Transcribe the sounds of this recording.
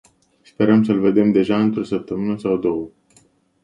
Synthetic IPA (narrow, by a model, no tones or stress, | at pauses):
spe̞ɾəmsəlve̞d̪e̞md̪e̞ʒaɨnt̪ɾosəp̚t̪əmɨnəsawd̪o̞wə